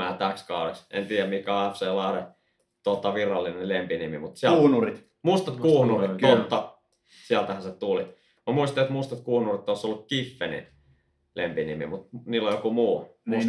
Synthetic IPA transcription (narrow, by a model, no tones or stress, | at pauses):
æːt̪ækskɑˑuɾeksḛnt̪iːjæmmikæɑefseːlɑˑre | t̪ot̪ːɑʋirɑlːinelempinimimut̪siæuhnurit̪ | must̪ɑt̪kuːhnurit̪ot̪ːɑ | siælt̪æhænset̪uli | mæmuist̪ɑeot̪must̪ɑt̪kuːhnurit̪ːˑoˑsolːukkifːenḭ | lempinimḭmut̪niːlːojokumuːm